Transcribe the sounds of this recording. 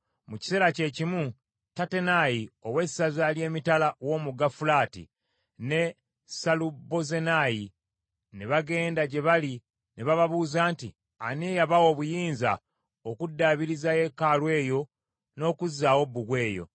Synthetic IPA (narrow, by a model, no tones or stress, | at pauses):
muci̥se̞ːɾace̞ːcimu | tate̞najio̞we̞sazalje̞ːmitalawo̞muɡafulaːtḭ | ne̞ | salubo̞zenaji | neβaɡe̞ːndaɟe̞βali | neβaβaβuːzaːnti | anejaβawo̞ːβujiːnza | okudːaβiɾizaje̞kalwe̞ːjo̞ | no̞ːkuzaːwo̞bːuɡwe̞ːjo̞̰